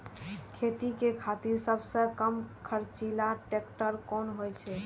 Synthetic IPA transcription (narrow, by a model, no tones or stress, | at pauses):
kʰet̪ikekʰat̪iɾsəbʱsə̃kəmkʰəɾt͡ʃilaʈek̚ʈəɾkɔnɦojt͡ʃʰɛ